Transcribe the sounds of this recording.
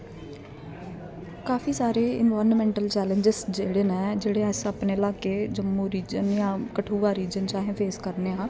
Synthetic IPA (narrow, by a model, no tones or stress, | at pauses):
kaːfʰiːsaːɾeːɪnʋaːɾnmɛ̃ːɳʈəlt͡ʃɛːləɲd͡ʒɪsd͡ʒeːɽenɛːd͡ʒeːɽeːɛːsəpneːɪlaːkeːd͡ʒəmːũːɾiːd͡ʒənjãːkəʈʰuːʋaːɾiːd͡ʒənt͡ʃaːɦẽːpʰeːskəɾneːãː